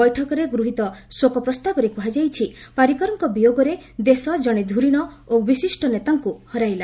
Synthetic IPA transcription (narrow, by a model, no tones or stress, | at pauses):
ɔjʈʰɔkɔɾeɡɾuɦit̪ɔsokɔpɾɔst̪abɔɾekuɦad͡ʒajt͡ʃʰipaɾikɔɾɔŋkɔbijoɡɔɾed̪esɔd͡ʒɔɽ̃ed̪ʱuɾiɽ̃ɔ | obisisʈɔnet̪aŋkuhɔɾajla